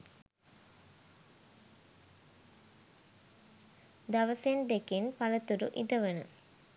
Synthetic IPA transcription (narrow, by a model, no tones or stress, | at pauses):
d̪aʋəsend̪ekinpalət̪uɾuʔid̪əʋənə̰